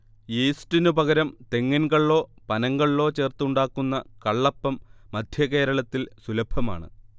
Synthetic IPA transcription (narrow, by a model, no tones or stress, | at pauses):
jeːsʈinupɐɣɐɾɐmt̪e̞ŋːɐnɡɐɭɭo̞ːpɐnɐŋɡɐɭɭo̞ːt͡ɕe̞ːrt̪uɳɖaːkːunːɐkɐɭːɐpːɐmːɐd̪ʱjɐke̞ːɾɐɭɐt̪ːilsulɐbʱɐma̰ːɳɨ̰